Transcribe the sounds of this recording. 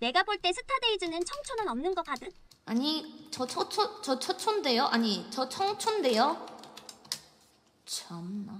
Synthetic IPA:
ne̞ɡaboɭt͈e̞sʰɯtʰadeid͡ʑɯnɯnt͡ɕʰʌŋt͡ɕʰonɯnʌmnɯnɡʌk͈ad͈ɯ | aɲit͡ɕʌt͡ɕʰʌt͡ɕʰot͡ɕʌt͡ɕʰʌt͡ɕʰonde̞joʔaɲit͡ɕʌt͡ɕʰʌŋt͡ɕʰonde̞jo | t͡ɕʰʌmna

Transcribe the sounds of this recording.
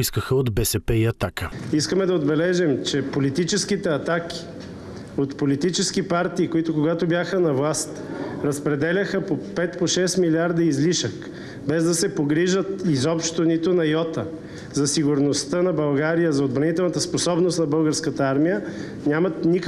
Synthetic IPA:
iskəxəod̪bɛsɛpɛiɐt̪akəiskəmɛd̪ɐod̪bɛlɛʒɛmt͡ʃɛpolit̪it͡ʃɛskit̪ɛɐt̪ak̟ʲi̥ | ot̪polit̪it͡ʃɛsk̟ipaɾt̪iːkoit̪ʊkoɡat̪objaxənɐvlˠast̪ɾɐspɾɛd̪ɛlʲəxəpopɛt̪poʃɛst̪miliaɾd̪ɐizliʃək | bɛzd̪ɐsɛpoɡɾiʒət̪izɔpʃt̪onit̪ʊnɐjɔt̪ə | zɐsiɡʊɾnost̪ənɐbɐlˠɡaɾijəzɐod̪bɾɐnit̪ɛlˠnɐt̪əsposɔbnost̪nɐbɤlˠɡəɾskət̪əaɾmijə | nʲamɐt̪nik

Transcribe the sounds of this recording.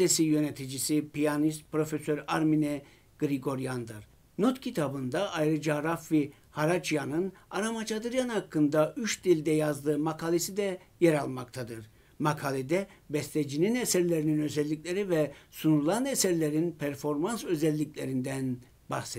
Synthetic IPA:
esijø̞net̪ʰid͡ʒisipijanist̪̚pɾo̞fesøɾaɾminɛ | ɡ̥ɾiɡo̞ɾjand̪ɯɾ | not̪cʰit̪ʰabɯnd̪aʔajɾɯd͡ʒaɾafvi | haɾat͡ʃjanɯnaɾamat͡ʃʰad̪ɯɾjanhakʰːɯnd̪ayt͡ʃd̪ilʲd̪ɛjazd̪ɯːmakʰalʲˠisid̪ɛ | jɛɾalˠmakt̪ʰad̪ɯɾ | makʰalʲˠid̪ɛbɛst̪ʲed͡ʒininesæɾlʲe̞ɾininø̞zɛlʲːicʲlʲe̞ɾivɛsunulˠanesæɾlʲe̞ɾinpʰæɾfo̞ɾmansø̞zɛlʲːicʲlʲe̞ɾind̪æn | baxse

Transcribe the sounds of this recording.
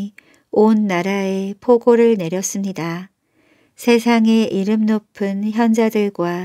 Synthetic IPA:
onːaɾae̞pʰoɡoɾɯɭne̞ɾjʌs͈ɯmɲida | sʰe̞sʰaŋe̞ʔiɾɯmnopʰɯnçjʌnd͡ʑadɯɭɡwa

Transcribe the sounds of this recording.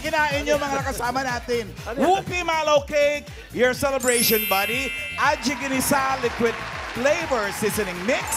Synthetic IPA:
ɡɪnaːʔɪnːomɐŋakɐsaːmɐnaːt̪ɪn | wuːkɪmaːlowkejk | jɔɹsɛlɛbɹejʃɔnbad̪iʔɐt̪̚d͡ʒɪɡɪnɪsalɪkwɪd̪̚flejvɛɹsɪsɛnɪŋmɪks

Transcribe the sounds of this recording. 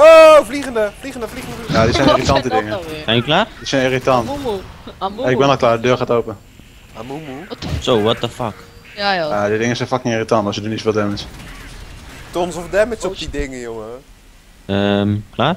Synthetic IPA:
ovliɣəndəfliχəndəfliənjaːdisɛjnɪritɑntədɪŋəsɛjnəklaːrd̥isɛjniritɑnt | ɪɡ̚bɛnɔlˠklaːrdədøːrχaːtowpən | amumusowʋɔt̚əfak | jadidɪŋəsɛjnfakɪŋiːritɑntɔsjədunisofɪːlˠdɛməs | tɔnsɔfdɛmɪsɔpdidɪŋəjoŋə | əmklaːr

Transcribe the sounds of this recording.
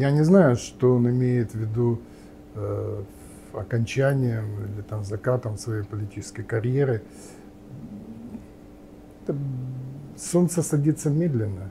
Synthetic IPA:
janʲɪznajʊʂt̪oonɪmʲejɪt̪vʲɪd̪u | ɐ̰kɐnʲt͡ɕænʲɪjəmilʲɪt̪amzɐkat̪əmsvɐjejpəlʲɪtʲit͡ɕɪ̥skəjkɐɾʲjeɾɨ | ɛt̪ə | so̞nt̪səsɐdʲit̪səmʲed̪lʲɪnːə

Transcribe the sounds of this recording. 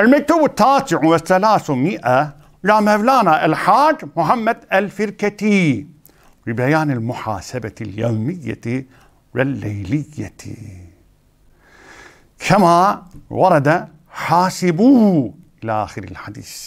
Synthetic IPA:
ʔalmak̚t̪uːbɪt̪ːaːsɪʕwɪθːalaːθumɪʔa | d͡ʒaːmavlaːnaʔalħaːd͡ʒmʊħamːad̪alfɪɾkat̪i | bibajaːnɪlmʊħa̰ːsabaljo̰ːmɪjːa̰ | wɪlːajlɪjːa̰ | kʰamawɑɾˤɑd̪a | ħaːsɪbuː | ʔɪlaʔaːxɪɾɪ̰lħad̪ḭːθ

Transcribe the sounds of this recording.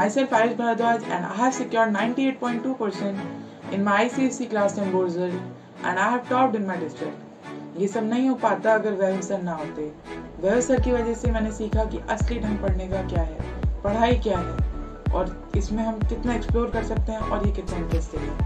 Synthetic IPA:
aːɪsɛlfaːɾɪd͡ʒbʱɐɽad̪aːd͡ʒɛ̰̃ːnɖa̰ːɦɛʋsɪkjɔːɾɖnãːɪ̃ɳʈieːʈ̚pɔ̃ːɪ̃ɳʈːuːpəɾsɛ̃ɳʈ | ɪ̰̃nmaaisisiklaːsʈẽmboːɾzəl | ʔɛ̰̃ːnɖaɪɦɛːʋʈɔːp̚ɖɪ̃nmaɪɖɪsʈɾɪk̚ʈ | jesɐbnɐɦĩɦʊpaːt̪aɐɡəɾʋɛɾɪ̃nsənːɐɦoːt̪eɦɛ̃ | bɛɾosəɾkiʋɐd͡ʒəsemɛːnesiːkʰakiʔɐsliɖʱɐ̃n̚pɐɽ̤nekakjaːɦɛːpɐɽ̤aːikjaːɦɛː | ɔːɾ | ɪsmẽɦɐ̃mkɪt̪naɛksploːɾkɐɾsɐk̚t̪eɦɛ̃ʔɔːɾjekɪt̪nankɛːst̪eɦɛ̃ː

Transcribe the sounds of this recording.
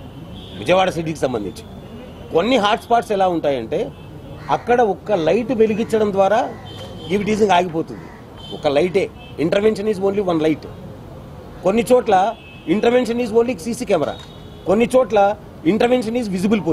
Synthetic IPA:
ʋḭd͡ʒɐjʋaːɽɐsiʈ̬iːkisɐmbɐnd̪ḭɲt͡ʃi̥ | konːiɦaːɾʈspaːɾʈsɛlaːuɳʈaːjɐɳʈe̞ː | ɐkːɐɽɐɔkːɐlɐjʈʋe̞liɡit͡ʃːɐɽɐnd̪ʋaːɾaː | ɡiʋiʈiːd͡ʒɐŋɡaːɡipo̞ːt̪und̪ḭ | ɔkɐlɐjʈe̞ː | iɳʈɐɾʋenʂɐniːzoːnliʋɐnlɐjʈ | konːit͡ʃoɔːʈlɐ | iɳʈɐɾʋe̞nʂɐniːzoːnlisiːsiːkɛːmɐɾa̰ː | konːit͡ʃoːʈlɐ | iɳʈɐɾʋenʂɐniːd͡ʒʋid͡ʒibulp̬oː

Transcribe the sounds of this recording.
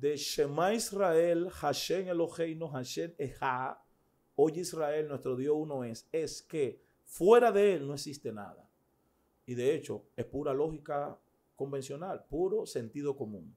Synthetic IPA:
d̪e̞ʃemaisrae̞lhaʃeŋelo̞she̞jnoɦaʃeneha | ojisrae̞lnwe̞st̪ɾo̞ðjo̞suno̞e̞se̞ske | fwe̞ɾaðe̞e̞lnoeksist̪e̞na̰ða̰ | iðe̞e̞t͡ʃo̞̰e̞spuɾalo̞xika | ko̞mbe̞nsjo̞nalpuɾo̞se̞nt̪ið̞o̞ko̞mṵ̃ŋ

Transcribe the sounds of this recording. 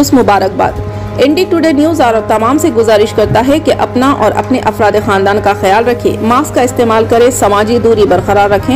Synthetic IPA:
ʊsmʊbaːɾək̚ba̰ːd̪ | ɛ̃ɳɖiʈuɖeːnjuːzaːɾt̪ɐmaːmseɡʊzaːɾɪʃkɐɾt̪aɦɛkeʔɐpnaʔɔːɾʔɐ̰pneʔɐfɾaːd̪exãːnd̪aːnkaxɐjaːlɾɐkʰḛ̃ːmaːskkːaɪst̪eːmaːlkɐɾẽsɐmaːd͡ʒid̪uːɾibɐɾqɐɾaːɾːɐkʰẽː

